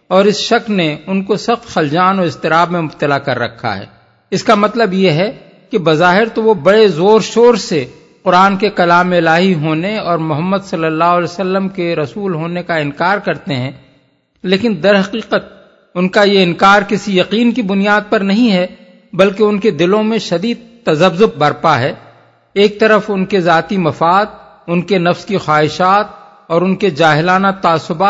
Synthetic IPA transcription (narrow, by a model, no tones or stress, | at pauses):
ɔːɾɪsʃɐklneʊnkosɐxt̪xɐld͡ʒaːnɔːɾɪst̪ɪɾaːbmẽmʊb̚t̪əlakɐɾːɐ̰kʰːa̰ɦɛ̰ː | ɪskamɐt̪ləbjeɦɛ | kibɐzaːɦɪɾt̪oʋobɐɽezoːɾʃoːɾse | qʊɾaːnkekɐlaːmɪlaːɦiɦoːneɔːɾmʊɦəmːəd̪sɐlːəlːaːɦʊlɛsəlːəmkeɾɐsuːlɦoːnekaɪ̃nkaːɾkɐɾt̪eɦɛ̃ː | leːkɪnd̪ɐɾɦɐqiːqət̪̚ | ʊnkajeɪ̃nkaːɾkɪsijɐqiːnkibʊnijaːd̪̚pɐɾnɐɦĩɦɛ | bɐlkeʊnked̪ɪlõmẽʃɐd̪iːd̪̚t̪ɐzəbzʊb̚bɐɾpaɦɛː | eːk̚t̪ɐɾəfʊnkezaːt̪imɐfaːd̪̚ | ʊnkenɐfskixwaːɦɪʃaːt̪̚ | ɔːɾʊnked͡ʒaːɦɪlaːnat̪aːsːʊbaː